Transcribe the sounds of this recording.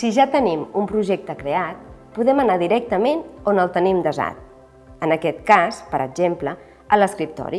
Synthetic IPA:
siʒat̪ənimumpɾuʒek̚t̪əkɾeat̪̚puðɛmənaðiɾɛk̚t̪əmenonəlˠt̪ənimd̪əza̰t̪̚ | ənəkɛt̪kaspəɾʔə̰ɡʒemplə | ələskɾip̚t̪ɔ̰ɾi

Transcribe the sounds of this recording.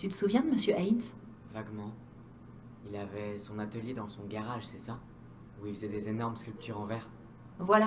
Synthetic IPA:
t̪yt̪ə̥suvjɛ̃məsjøʔajns | vaɡmɑ̃ | ilavɛsɔ̃nat̪əljed̪ɑ̃sɔ̃ɡaʁaʒsɛsa | uilfəzɛd̪ezenɔʁmskʲylp̚t̪ʰyʁɑ̃vɛʁ | vwala

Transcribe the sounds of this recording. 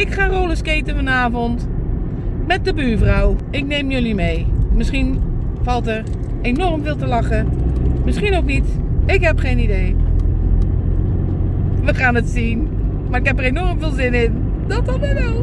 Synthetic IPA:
ɪkχaːroːləskejtəvɔnaːvɔnt | mɛt̚dəbyːvrɔw | ɪknejmjɵlimejmɪsχin | v̥ɑlˠtər | enɔrmvɪːlˠtəlɑχəmɪsχinowknitɪkɦɛpχejnidej | ʋəχaːnətsin | maːɪkɦɛpərenɔɹmvɪːlˠzɪnɪn | d̥ɔtɔmɛdo

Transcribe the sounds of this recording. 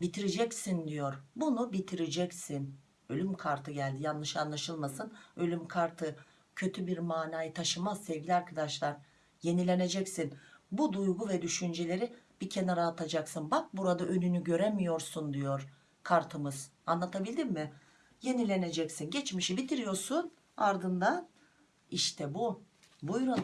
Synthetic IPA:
bit̪ʰiɾed͡ʒɛcsind̪ijo̞ɾbunubit̪ʰiɾed͡ʒɛcsin | ø̞lʲymkʰaɾt̪ʰɯɟælʲd̪ijanːˠɯʃɯanlˠaʃɯlˠmasɯnølʲymkʰaɾt̪ʰɯ | cʰø̞t̪ʰybiɾmaːnaːjɯt̪ʰaʃɯmazsɛvɟʲilʲiaɾkʰad̪aʃlˠaɾ | je̞nilʲe̞ne̞d͡ʒɛcsinbud̪ujɡuvɛd̪yʃynd͡ʒelʲe̞ɾib̥icʰe̞naɾaat̪ʰad͡ʒaksɯnbak̚buɾad̪aʔø̞nynyɟø̞ɾɛmijo̞ɾsund̪ijo̞ɾ | kʰaɾt̪ʰɯmɯz̥anlˠat̪ʰabilʲd̪imːɪ | je̞nilʲe̞ne̞d͡ʒɛcsinɟɛt͡ʃmiʃibit̪ʰiɾijo̞ɾsun | aɾd̪ɯnd̪an | iʃt̪ʰɛbu | bujɾun

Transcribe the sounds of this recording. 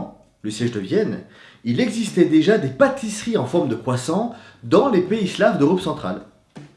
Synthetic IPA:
ləsjɛʒd̪əvjɛn | ilɛɡzist̪ɛd̪eʒad̪epat̪isχiɑ̃fɔʁmd̪əkχwasɑ̃ | d̪ɑ̃lepeislavd̪əʁɔpsɑ̃t̪χa̰l

